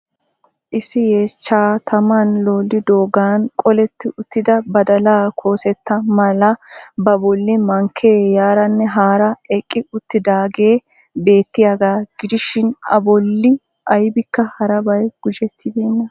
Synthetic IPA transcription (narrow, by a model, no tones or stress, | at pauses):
ʔɪsɪjeːt͡ʃːaːt̪ʰɐmɐnlo̞ːlːɪd̪o̞ːɡaːnkʼɔlɛt̪ːɪʊt̪ːɪd̪ɐbɐd̪ɐlaːkʰo̞ːsɛt̪ːɐmɐlɐbɐbɔlːɪmɐŋkʰeːjaːɾɐnːɛɦaːɾɐɛkʼːɪʊt̪ːɪd̪aːɡe̞ː | be̞ːt̪ːɪjaɡaːɡ̥ɪd̪ɪʃɪnɐ̰bɔlːɪ | ʔɐjbɪkːɐhɐɾɐbɐjɡ̥ʊd͡ʒɛt̪ʰːɪbeːnːɐ